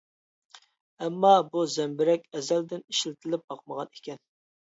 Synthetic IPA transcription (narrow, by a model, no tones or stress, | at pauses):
ɛmːɑbuzɛmbɪɾɛkʲɛzæld̪ɪniʃlt̪ʰɪlɪp̚bɑqməʁɑne̥kʲʰɛn